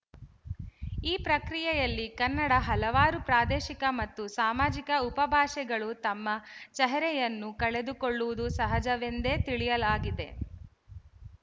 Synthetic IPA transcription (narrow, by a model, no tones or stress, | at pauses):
iːpɾɐkɾijɛjɐlːikɐnːɐɽɐɦɐlɐʋaːɾupɾaːd̪ɛːʃikɐmɐt̪ːusaːmaːd͡ʒikɐupɐbʱaːʃɛɡɐɭut̪ɐmːɐt͡ʃɛɦɐɾɛjɐnːukɐɭed̪ukoɭːuʋud̪usɐɦɐd͡ʒɐʋe̞nd̪eːt̪iɭijɐlaːɡid̪e̞̰